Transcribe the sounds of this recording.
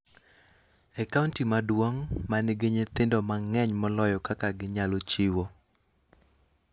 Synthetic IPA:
ɛkauntimadwoŋmanɪɡeɲet̪ɪndɔmaŋɛɲmɔlɔjɔkakaɡɪɲalot͡ʃɪwo

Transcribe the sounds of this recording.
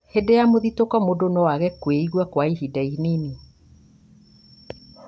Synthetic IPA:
hedejamoðitokɔmodonɔwaɣɛkweiɣwakwaiɦidainini

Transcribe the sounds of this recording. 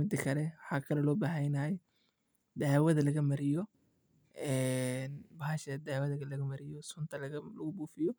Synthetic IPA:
mɪd̪ɐkʰɐlɛwħɑːkʰɐlɛlɔːbaːɦɐjnɐj | d̪aːwɐðɐlɐɣɐmɐɾɪjɔ | ɛnbɐɦɐʃɐd̪aːwɐðɐɣɐlɐɣɐmɐɾɪjɔsʊnt̪ʰɐlɐɐlɐɣʊbuːfɪjɔ

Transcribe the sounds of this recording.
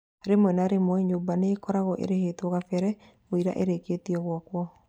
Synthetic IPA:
ɾemwɛnaɾemwɛɲoːbanekɔɾaɣɔʔḛɾeheːtɔɣafɛɾɛ | oiɾa̰ʔeɾeketiɔɣwɔkwɔ

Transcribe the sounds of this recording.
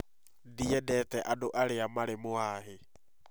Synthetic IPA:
diɛdɛtɛʔadoʔaɾeamaɾemoaɦe

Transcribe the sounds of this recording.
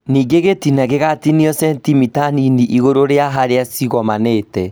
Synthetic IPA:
niːŋɡeɣetinaɣeɣatiniɔsɛntimitaniniʔiɣoɾoɾeaɦaɾeasiɣɔmaneːtɛ

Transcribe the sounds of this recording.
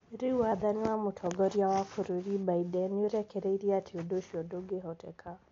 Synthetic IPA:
ɾiwaðaniamutʰɔɡɔɾiawakʰuɾuɾibaidɛnuɾɛkʰɛɾeiɾiatʰiɔdoʃiɔdoɡɛɦɔtɛ̰kʰa

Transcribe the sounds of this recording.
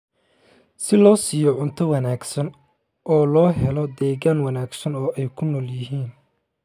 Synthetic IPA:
sɪlɔːsiːjɔʕʊnt̪ʰɐwɑnaːɡsɐn | ʔɔːlɔːɦɛlɔd̪ɛːɣaːnwɑnaːɡsɐnɔːʔɛjkʰʊnɔːljɪɦiːn

